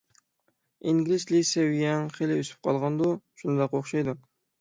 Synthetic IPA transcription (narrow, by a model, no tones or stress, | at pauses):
iŋɡʲlɪzlɪsɛwijɛŋχelɪøsy̥p̚qʰɑlˠʁɑnd̪uʃunɨd̪ɑqoχʃɑjd̪u